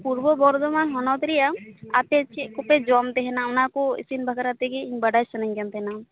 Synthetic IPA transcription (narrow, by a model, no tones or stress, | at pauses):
puɾbɔbɔɾd̪ɔmanɦɔnɔt̪ɾɛjaat̪ɛt͡ʃikɔpɛd͡ʒɔmt̪ɛɦɛnaʊnakuḭsinbʱakɾat̪ɛkɛiɲbaɖajsɔnaɲkɛnt̪ɦɛna